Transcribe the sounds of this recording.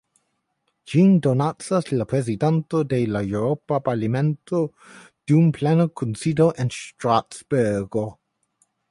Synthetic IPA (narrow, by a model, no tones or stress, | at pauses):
d͡ʒindonat͡saslapɾezidantodelaewɾopapaɾlimentʰo | d̥iumplenokʰunsidoʔenstɾatsbeɡo